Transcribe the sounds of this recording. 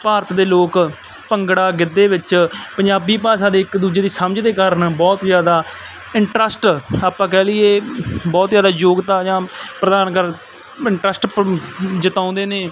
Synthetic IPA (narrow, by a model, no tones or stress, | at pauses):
paːɾət̪d̪eːloːk | pəŋɡɽaːɡɪd̪ːeːʋɪt͡ʃpəɲd͡ʒaːbiːpaːsãːd̪eːɪkd̪uːd͡ʒeːd̪iːsəməd͡ʒd̪eːkəɾənbɔːt̪zjaːd̪aː | ɪɳʈɾəsʈaːpãːkɛːlɪeːbɔːt̪zjaːd̪aːjoːɡt̪aːjãːpɾəd̪aːnkəɾ | ɪɳʈɾəsʈ | d͡ʒət̪ãːnd̪eːneː